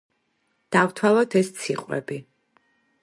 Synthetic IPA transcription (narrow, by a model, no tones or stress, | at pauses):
d̪̥avt̪ʰwalˠɔt̪ʰɛst̪sʰiqʼwɛ̰bi